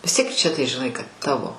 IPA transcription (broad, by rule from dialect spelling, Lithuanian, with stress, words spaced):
ʋʲɪs ˈtʲiɛk t͡ʃʲɛ tɐɪ ʒʲɪˈnɐɪ kɐt ˈtɑːʋoː